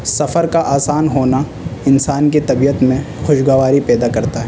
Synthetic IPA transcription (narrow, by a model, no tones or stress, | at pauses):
sɐfəɾkaʔaːsaːnɦoːna | ɪnsaːnkit̪ɐbiːət̪mẽ | xʊʃɡaːʋaːɾipɛːd̪akɐɾt̪aɦɛ